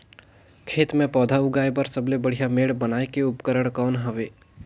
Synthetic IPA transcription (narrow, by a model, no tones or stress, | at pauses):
kʰeːt̪mẽpɔːd̪ʱaʊɡaːebəɾsɐblebəɽ̤ijameːɽbənaːekeʊpkəɾəɽ̃kɔːnɦəʋeː